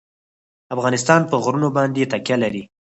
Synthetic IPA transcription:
afɣɑnɪst̪ɑnpəɣɾunobɑnd̪et̪akjalaɾi

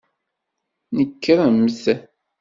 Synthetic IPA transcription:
nəkːəɾˤamːəθæ

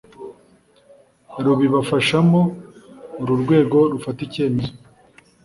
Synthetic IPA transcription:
ɾuβiβafaʃamo̞ː | ɾuɾɡwe̞ːɡo̞ɾufatice̞ːmezo

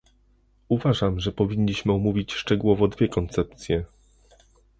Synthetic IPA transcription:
uvaʐamʐɛpɔvʲiɲːiɕmɘɔmuvʲit͡ɕʂt͡ʂɛɡuwɔvɔd̪vʲjɛkɔnt̪sɛp̚t̪sʲjɛ

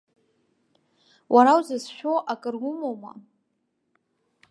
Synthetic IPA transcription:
wʔaɾawzazʃᶣoʔakʼɨrɡʷʊmoma̰

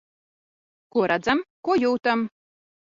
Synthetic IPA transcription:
kuɔɾʔad̪zamkuɔjuːt̪am

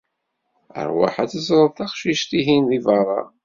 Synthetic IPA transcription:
ə̰ɾˤwa̰ħæt͡səzɾˤəðˤθɑqʃiʃt̪iɦinðivɑrˤɑ̰

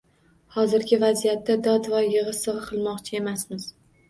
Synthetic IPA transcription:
hɒzɪɾkʲʰɪvazijat̪ːad̪ɒd̪vɒjɨʁɨsɨʁɨqʰɨlˠmɒqt͡ʃʰɪe̞masmɪz̥

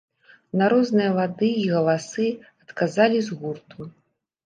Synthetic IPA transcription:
naɾɔznɨjɐvad̪ɨiɣɐlˠasɨɐt̪kazalʲizɣurt̪ʰu

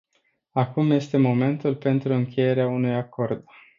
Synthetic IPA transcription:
akumje̞st̪e̞mo̞me̞nt̪ulpe̞nt̪ɾuɨŋkʲʰe̞je̞ɾeaunujako̞rd̪

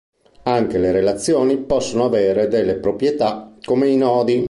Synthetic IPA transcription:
aŋk̟eleɾelat̪sːjoːnipɔsːonoaveːɾed̪elːepɾopɾjet̪akomeinɔːd̪i

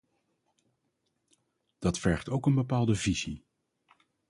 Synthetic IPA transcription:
d̥ɑtfɛɹχtowkənbəpaːlˠdəvizi

